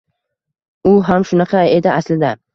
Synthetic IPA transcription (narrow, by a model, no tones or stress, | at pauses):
ʊɦamʃʊnɑqʰɑed̪ɪaslɪd̪a